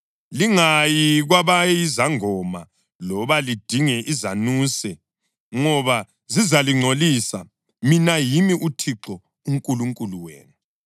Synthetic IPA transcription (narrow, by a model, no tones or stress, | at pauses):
liŋajiɣwaβajizaŋɔma | lɔβalid̥ʱiŋɛʔizanuːsɛ | ŋɔβa | zizaliŋ͡ǀʱolisa | minajimiʔutʰiǁɔ | uŋkʼuluŋkʼuluwḛːnu